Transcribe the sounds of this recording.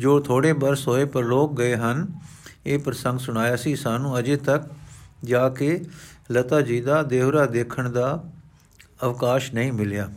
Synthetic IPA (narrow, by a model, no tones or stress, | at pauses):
d͡ʒoːt̪ʰoːɽeːbəɾsɦoːeːpəɾloːk̚ɡəeːɦəneːpɾəsə̃ŋɡsʊɽ̃aːjaːsĩːsaːnũːəd͡ʒeːt̪ək̚d͡ʒaːkɪlət̪aːd͡ʒiːd̪aːd̪eːʋɾaːd̪eːkʰəɳd̪aː | əʋkaːʃnəĩːmɪljaː